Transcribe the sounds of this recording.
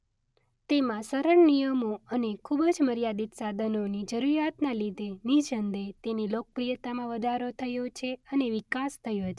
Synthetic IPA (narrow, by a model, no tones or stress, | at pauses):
t̪emãsəɾəɳnijəmoənekʰubəd͡ʒməɾjad̪it̪sad̪ʱənonid͡ʒəɾuɾjat̪nalid̪ʱenid͡ʒənd̪et̪enilok̚pɾijət̪amãʋəd̪ʱaɾot̪ʰəjot͡ʃʰeəneʋikast̪ʰəjot͡ʃʰe